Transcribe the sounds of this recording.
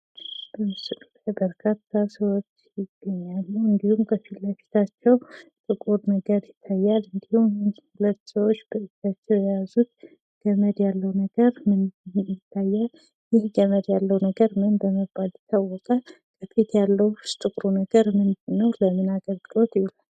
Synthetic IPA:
b̥əmɨsɨlut̪ebəɾkʰat̪ʰːasəwo̞t͡ʃːjɪɡːəɲːalːuwɨnd̪ihumkʰəfilːəfi̥t̪ʰat͡ʃːɛwt̪ʼɨkʼuɾnəɡəɾjɪt̪ʰːajːalɨnd̪ihumjnhulət̪ːsəwot͡ʃːb̥əʔɨt̪at͡ʃːɛwjɛjazut̪̚ | ɡ̥əməd̪jalːəwnəɡəɾmɨnjɪt̪ʰːajːal | jɪhɡəməd̪jalːəwnəɡəɾmɨnbəməbalɪt̪ʰawːɔkʼə | kʰʼəfʰit̪jalːəwst̪ʼɨkʼɾunəɡəɾmɨnd̪ɨnːəwləmɨnaɡəlɡɨlo̞t̪jɪhulal

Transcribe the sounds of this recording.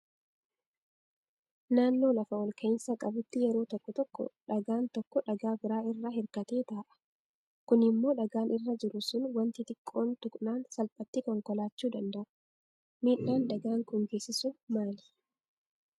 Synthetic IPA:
naːnːo̞ːlɐfɐwɔlkʰɐɪnsɐkʼɐbʊt̪ːɪjɛɾo̞ːt̪ɔkːɔt̪ɔkːɔ̰ᶑɐɡaːnt̪ɔkːɔᶑɐɡaːbɪɾaːɪrːahɪɾkɐt̪e̞ːt̪aːʔɐ̥ | kʊnɪmːo̞ːᶑɐɡaːnʔɪrːɐd͡ʒɪɾʊsʊnwɐnt̪ɪt̪ɪkʼːo̞ːnt̪ʊkʼnaːnsɐlpʼɐt̪ːikɔŋkɔlaːt͡ʃːuːd̪ɐnd̪ɐʔʊ̥ | miːʔːaːnd̪ɐɡaːŋkʼʊŋɡe̞ːsːɪsʊmaːlɪ̥

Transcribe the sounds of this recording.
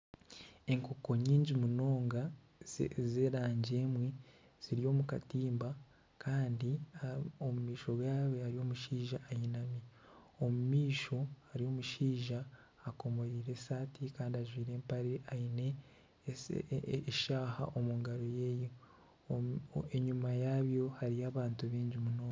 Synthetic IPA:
e̞ŋkoko̞ɲiːɲɟimuno̞ːŋɡa | ze̞ɾaːɲɟe̞ːmwi | z̥iɾijo̞ːmuka̰tiːmba | kʰaːndi | omumiːʃo̞ɡwaːweaɾijo̞ːmuʃiːʒaʔːjinami | omumiːʃo̞haɾio̞ːmuʃiːʒaː | ko̞mo̞ɾiːɾe̞saːtʰikaːndiaʒwiːɾe̞ːmpaɾiaine̞ | ʃaːha̰ʔo̞muŋɡaɾo̞je̞ːjo | eɲumajaːβjo̞haɾiaːβaːntuβiːɲɟimunoːno

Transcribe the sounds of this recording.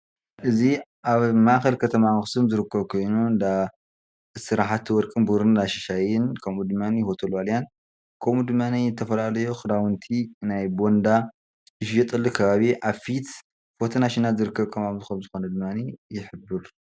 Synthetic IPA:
ʔɨziʔaβmaʔxɐlkʰɐt̪ʰɐmaxsɨmzɨɾɨkʰːɐβkʰo̞jnuɨnd̪a | sɨɾaħat̪ʰːwɔɾkʼɨnbuɾɨndaʃiʃajɪnkʰɐmud̪ɨmːanihot̪ʰɐlwaljan | kʰɐmud̪ɨmːaniɨt̪ʰːɐfɐlalɐjoxɨd̪awɨnt̪ʰinajbo̞nd̪a | ɨʃjɛt̪ʼɐlːɨkʰɐβaβiʔaβfit̪ | fot̪ʰɐnaʃinazɨɾɨkːɐβkʰɐmaβzɨxɐmzɨxo̞nɐd̪ɨmːanijɪħɨbːɨɾ

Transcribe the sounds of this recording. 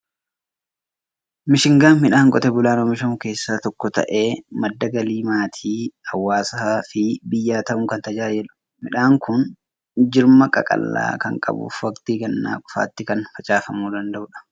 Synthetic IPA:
mɪʃɪŋɡaːnmɪᶑaːŋkʼɔt̪ɛbʊlaːnomɪʃɐmʊke̞ːsːaːt̪ɔkːɔt̪ɐ̰ʔe̞ːmɐd̪ːɐɡɐliːmaːt̪ʰiːɐwːaːsɐfɪbɪjːaːt̪ɐʔʊŋkɐnt̪ɐd͡ʒaːd͡ʒɪlʊ | mɪᶑaːŋkʊn | d͡ʒɪɾmɐkʼɐ̰kʼɐ̰lːa̰ːkɐŋkʼɐ̰bṵːfɐkt̪iːkɐnːa̰ːkʼʊ̥fa̰ːt̪ːɪkɐnfɐt͡ʃʼaːfɐmuːd̪ɐnd̪ɐʔʊᶑɐ̥

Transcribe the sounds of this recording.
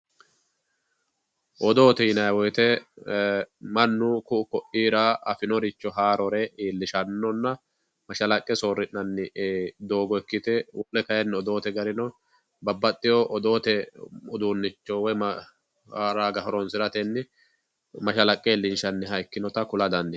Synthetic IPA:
ʔɔd̪o̞ːt̪ɛɪnɐjwɔjt̪ɛ | mɐnːʊkʊʊkɔʔiːɾaːɐfɪnɔɾɪt͡ʃːɔɦaːɾɔɾɛiːlːɪʃɐnːɔnːɐ | mɐʃɐlɐkʼːɛsoːrːɪnːɐnːɪd̪o̞ːɡɔɛkːɪt̪ɛwʔɔlːɛkɐjɛnːɪɔd̪o̞ːt̪ɛɡɐɾɪnɔ | bɐbːɐt̪ʼːɪjɔʔɔd̪o̞ːt̪ɛɔd̪uːnːɪt͡ʃːɔwɔjm | haːɾaːɡɐhɔɾɔnsɪɾɐt̪ɛnːɪ | mɐʃɐlɐkʼːɛlːɪnʃɐnːɪɦɐjkːɪnɔt̪ɐkʊlɐd̪ɐnd̪ɪ

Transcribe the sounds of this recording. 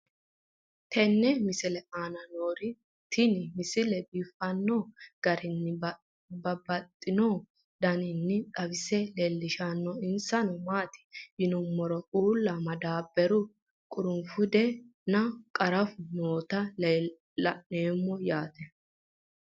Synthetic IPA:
t̪ʰɛnːɛmɪsɪlɛʔaːnɐnoːɾɪ | t̪ʰɪnɪmɪsɪlɛbifɐnːɔɡ̥ɐɾɪnːɪb | bɐbɐt̪ʼːɪnɔ | d̪ɐnɪnːɪtʼɐbɪsɛlelːɪʃanːɔɪnsɐnɔmaːt̪ɪ̥jɪnʊmːɔɾɔʔuːlːɐmɐd̪aːbːɛɾʊ | kʼʊɾʊmfʊd̪ɛnɐkʼɐɾɐfʊnoːt̪ɐ | ɐneːmːɔjaːt̪ɛ

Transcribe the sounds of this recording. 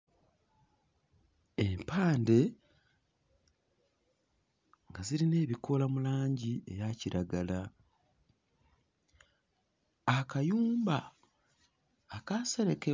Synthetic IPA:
empʰaːnde̞ | ŋɡaziɾine̞ːβikʰo̞lamulaːɲɟie̞jaciɾaɡala | akajuːmba | kase̞ɾe̞ke

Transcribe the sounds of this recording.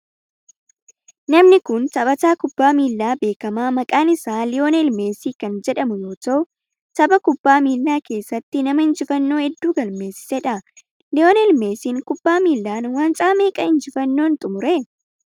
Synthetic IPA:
nɐmnɪkʊnt̪ɐbɐt̪aːkʊb̥ːaːmiːlːaːbe̞ːkɐmaːmɐkʼaːnɪsaːlɪjo̞ːnɪlme̞ːsiːkɐnd͡ʒɛᶑɐmʊjo̞ːt̪ɐʊ | t̪ɐbɐkʊbːaːmiːlːaːke̞ːsːɐt̪ːɪnɐmɐɪnd͡ʒɪfɐnːo̞ːhɛd̪ːuːɡɐlme̞ːsːɪ̥sɛᶑɐ | lɪo̞ːnɪlme̞ːsiːŋkʊbːaːmiːlːaːnwaːnt͡ʃʼaːme̞ːkʼɐɪnd͡ʒɪfɐnːo̞ːnt̪ʼʊmʊɾe

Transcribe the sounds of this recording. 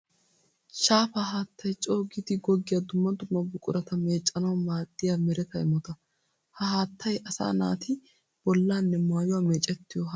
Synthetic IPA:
ʃaːfaɦaːt̪ːɐjt͡ʃʼo̞ːɡɪd̪ɪɡɔɡːɪjɐd̪ʊmːɐd̪ʊmːɐbʊkʼʊɾɐt̪ɐme̞ːt͡ʃʼːɐnɐwmaːd̪̥ːɪjamɛɾɛt̪ɐɪmɔt̪ɐ | hɐhaːt̪ʰːɐjʔɐsa̰ːna̰ːt̪ɪ | b̥ɔlːaːnːɛmaːjʊwaːmeːt͡ʃʼːɛt̪ːɪjɔhɐ

